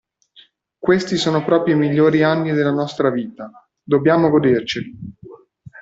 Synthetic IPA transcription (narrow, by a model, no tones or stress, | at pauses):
kwest̪isoːnopɾɔːpɾjoimiʎːoːɾianːid̪elːanɔst̪ɾaviːt̪a | d̪obːjaːmoɡod̪ert͡ʃeli